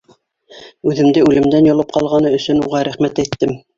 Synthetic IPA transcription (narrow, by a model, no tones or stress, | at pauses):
ʉðɘ̆md̪ɘʉlɘ̆md̪ænjŏlˠɤp̚qɑlˠʁɑnɤɵ̆sɵnuʁɑɾæχmæt̪æjt̪ːɘm